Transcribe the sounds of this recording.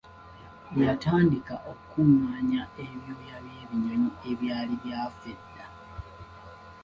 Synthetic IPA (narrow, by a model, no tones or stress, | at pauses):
jataːndikaʔokukumːaːɲaeβjoːjaβje̞ːβiɲo̞ɲie̞βjaːliβjaːfedːa